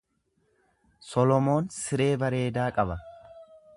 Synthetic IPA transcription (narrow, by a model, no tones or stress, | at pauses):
sɔlɔmo̞ːnsɪɾe̞ːbɐɾe̞ːd̪aːkʼɐbɐ